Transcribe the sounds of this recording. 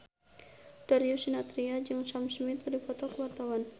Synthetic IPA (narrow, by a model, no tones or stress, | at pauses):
d̥aɾiusinat̪ɾiad͡ʒɨŋsamsmɪt̪dipɔt̪ɔkəwart̪awan